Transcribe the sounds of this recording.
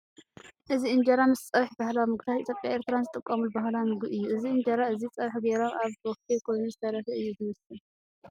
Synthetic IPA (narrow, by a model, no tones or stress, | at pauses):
ʔɨziɨnd͡ʒɐɾamɨst͡sʼɐβħbahlawmɨɡ̪ʰat̪ʔit̪ʰjopʼjaeɾt̪ʰɨɾanzɨt̪ʼɨkʼːɐmulbahlawmɨɡɨjːuʔɨziɨnd͡ʒɐɾaɨzit͡sʼɐβħɡeɾomaβɔf̚t̪ʰekʰonizɨt̪ʰɐlɐfɐɨjːuzɨmɐsɨl